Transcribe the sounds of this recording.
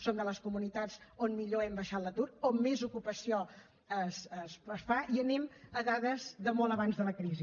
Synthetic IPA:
sond̪ələskumunit̪ad͡zonmiʎoɛmbəʃat̪lət̪uɾomːezukupəsio | əsəsəsfaʔiənɛməðaðəzðəmɔlˠəβanzðələkɾizi

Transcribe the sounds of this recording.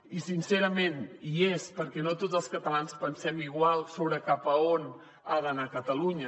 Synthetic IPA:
isinseɾəmeniespəɾkɛnot̪od͡zəlˠskət̪əlanspənsɛmiɣwalˠsoβɾəkapəon | aðənakət̪əluɲə

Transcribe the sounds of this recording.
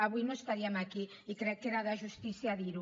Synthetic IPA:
aβujnõest̪aɾiamaki | ikɾɛkːeɾaðaʒust̪iθjaðiɾu

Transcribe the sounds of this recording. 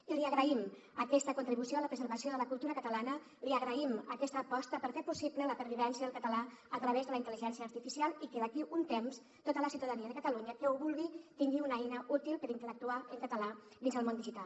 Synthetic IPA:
iliəɣɾəim | əkɛst̪əkunt̪ɾiβusioaləpɾəzəɾβəsioðələkulˠt̪uɾəkət̪əlanə | liəɣɾəiməkɛst̪əːpɔst̪əpəɾfeɾpusiplələpəɾβiβ̞ɛnsjiəðəlkət̪əlaət̪ɾəβ̞ezðələint̪əliʒɛnsiəːɾt̪ifisialˠikəðəkiʔunt̪ems | t̪ot̪ələsiwt̪əðəniəðəkət̪əluɲəkəuβulˠɣit̪iŋɡiunɛjnəʔut̪ilˠpəɾint̪ələk̚t̪uaʔəŋkət̪əla | ðinzəlˠmond̪iʒit̪al

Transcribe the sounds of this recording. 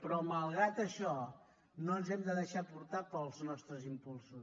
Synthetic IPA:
pɾɔməlˠɣɾat̪əʃɔ | nonzɛmd̪əðəʃapuɾt̪apəlˠznɔst̪ɾəzimpulˠsus

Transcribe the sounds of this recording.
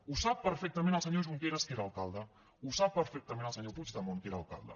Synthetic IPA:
usapːəɾfɛk̚t̪əmẽnəlˠsəɲoʒuŋkeɾaskeɾalˠkalˠd̪ə | usapːəɾfɛk̚t̪əmẽnɐəlˠsəɲoput͡ʃd̪amonkeɾalˠka̰lˠd̪ə̰

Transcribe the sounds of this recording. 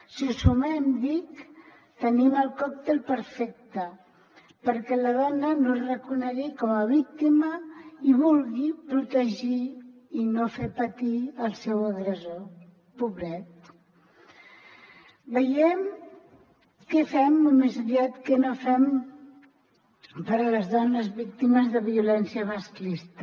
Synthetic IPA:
sisumɛmd̪ik | t̪əniməlˠkɔk̚t̪elˠpəɾfɛk̚t̪ə | pəɾkɛlaðɔnənorəkunəɣikɔməβ̞ik̚t̪iməiβulɣipɾut̪əʒiː | nofepat̪iəlˠsɛwəɣɾəzo | puβɾɛt̪̚ | bəjɛm | kɛfɛmumezəβiat̪kənofɛm | pəɾələzðɔnəzβik̚t̪iməzðəβiulɛnsiəβasklist̪ə

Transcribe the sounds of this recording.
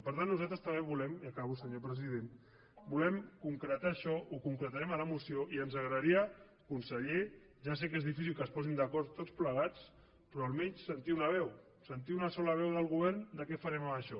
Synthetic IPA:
pəɾt̪anːuzalt̪ɾəst̪ɐmeβulɛmiəkaβusəɲopɾəzið̞en | bulɛmkuŋkɾət̪aːʃɔʔukuŋkɾət̪aɾɛmələmusioʔiənzəɣɾəðɾiə | kunsəʎe | ʒas̬ekezðifisilˠkəspɔzind̪əkɔɾt̪ːot͡spləɣat͡s | pɾɔəlˠmɛɲssənt̪iunəβ̞ɛw | sənt̪iunəsɔləβ̞ɛwðəlˠɣuβ̞ɛɾnd̪əkɛfaɾɛməməʃɔ

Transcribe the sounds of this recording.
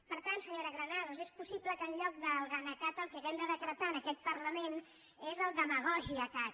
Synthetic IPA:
pəɾt̪ant̪səɲoɾəɣɾənaðuzɛspusipləkəːnʎɔk̚d̪əlˠɣanək̪at̪əlˠkəɛmd̪əðəkɾət̪aənəkɛt̪̚pərləmen | ezəlˠd̪əməɣ̞ɔʒiəkat̪̚

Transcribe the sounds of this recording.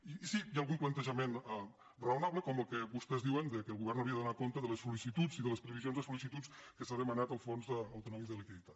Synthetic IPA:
iːsijaːlˠɣumplənt̪əʒəmena | rəunaβləkɔməlˠkəβust̪ɛzðiwənd̪əkəːlˠɣuβɛrnəwɾiəðunakont̪əðələsulisit̪ut͡siðələspɾəβizjonzðəsulisit̪ut͡skəsaðəmənat̪əlˠfonzðəːwt̪unɔmizðəlikiðit̪at̪

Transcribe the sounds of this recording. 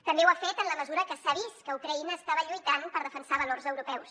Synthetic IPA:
t̪əmbewafet̪ənləməzuɾəkəsaβ̞ist̪kəukɾəinəːst̪aβəʎujt̪anpəɾðəfənsaβəlorzəwɾupɛws

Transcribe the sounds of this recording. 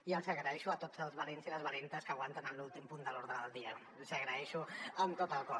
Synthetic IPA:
iəlˠzəɣɾəɛʃuət̪od͡zəlˠzβəlenziləzβəlent̪əskəːɣwant̪ənənlulˠt̪impund̪əloɾðɾəðəlˠd̪iə | lˠzəɣɾəɛʃuəmt̪ot̪əlˠkɔ

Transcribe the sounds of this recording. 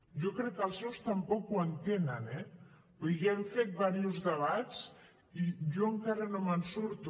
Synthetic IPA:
ʒokɾɛkːəlˠsɛwst̪ɐmpɔkuənt̪enənɛ | biɣeɱfet̪̚baɾiuzðəβ̞att͡s | iʒoəŋkaɾənomənsuɾt̪u

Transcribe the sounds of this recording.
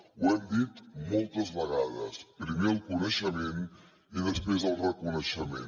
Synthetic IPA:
uɛmd̪it̪molˠt̪əzβəɣaðə̰spɾimeəlˠkunəʃəmen | iðəspɾezəlˠrəkunəʃəmḛn

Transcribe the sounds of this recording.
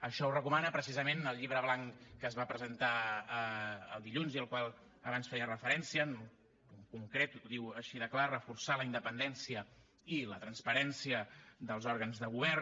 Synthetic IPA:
əʃɔurəkumanəpɾəs̬izəmenəlˠʎiβɾəβlaŋkəːzβapɾəzənt̪aəə̰lˠd̪iʎunziəlˠkwalˠ | əβansfɛjərəfəɾɛnsiən | ukuŋkɾet̪ðiwəʃiðəklarəfuɾsaləind̪əpənd̪ɛnsiə | ilət̪ɾənspəɾɛnsiəðəlˠzɔɾɣənzðəɣ̞uβɛr

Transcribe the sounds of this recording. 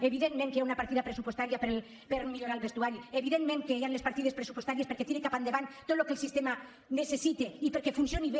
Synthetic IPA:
eβ̞iðenmẽŋkeaunapaɾt̪iðapɾesupwost̪aɾiapeɾ | peɾmiʎoɾalβest̪uaɾieβiðenmẽŋkeeanlespaɾt̪iðespɾesupwost̪aɾiespeɾket̪jenekapand̪eβant̪ot̪lokelsist̪ema | nesesit̪eipeɾkefunsjoniβe

